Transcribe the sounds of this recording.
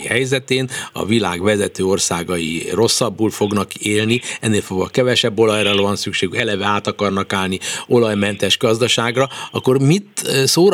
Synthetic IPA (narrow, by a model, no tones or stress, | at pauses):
hɛjzɛt̪eːnɒ̰vila̰ːɡʋɛzɛt̪øːo̞rsaːɡɒjḭro̞sːɒbːuːlfo̞ɡnɒkeːlniɛnːeːlfoɡʋɒ̰kɛvɛʃɛbːo̞lɒjrɒvɒnsykʃeːɡykɛlɛvɛaːt̪ɒkɒrnɒkaːlnio̞lɒjmɛnt̪ɛʒɡɒzd̪ɒʃaːɡrɒɒkːo̞rmit̪soːɾ